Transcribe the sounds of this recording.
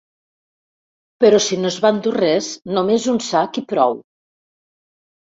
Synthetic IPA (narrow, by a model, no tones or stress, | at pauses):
pəɾɔsinoəzβand̪urɛznomezunsakipɾɔ̰w